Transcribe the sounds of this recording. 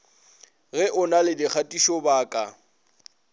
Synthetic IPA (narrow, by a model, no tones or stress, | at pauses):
ɣɛʔʊnalɪdɪk͡xʰatʼiʃɔbaːkʼa